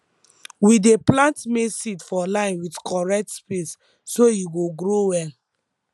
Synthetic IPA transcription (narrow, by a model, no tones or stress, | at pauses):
wideplãntmesitfɔlãɪ̃nwidkʰɔɹɛk̚tspes | sojuɡoɡɾowɛl